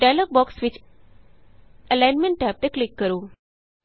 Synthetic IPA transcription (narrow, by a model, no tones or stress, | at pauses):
ɖalək̚bɔːksʋɪt͡ʃ | əlaːjnmẽɳʈːɛːp̚t̪eklɪkːəɾuː